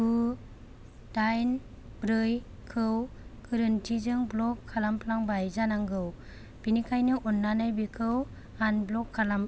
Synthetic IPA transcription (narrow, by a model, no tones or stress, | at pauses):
u | d̥ajn | bɾɯj | kʰɯwkʰɯɾɯntʰizɯŋblɔkʰːalampʰlaŋbajzanaŋɡɯw | b̥inikʰajnɯʔɔnːanajbikʰɯw | anblɔkʰːalam